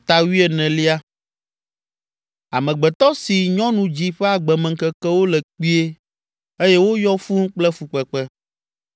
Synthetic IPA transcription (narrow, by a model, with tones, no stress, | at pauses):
t̪a˨wi˦ɛ˨nɛ̃˨li˦a˦ | a̰˨mɛ̃˨ɡ͡bɛ˨t̪ɔ˦si˨ɲɔ̃˦nũ˨d͡ʑi˦ɸɛ˦a˨ɡ͡bɛ˨mɛ̃˨ŋkɛ˦kɛ˦wo˦lɛ˨k͡pi˦e˦ | e˦jɛ˦wo˦jɔ˦fu˦ŋ˦k͡plɛ˦fu˨k͡pɛ˨k͡pɛ˦